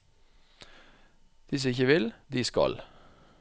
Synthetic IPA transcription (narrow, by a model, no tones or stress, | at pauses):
d̪̥ɪs̬ɪçəʋɪld̪iːskɑ̰l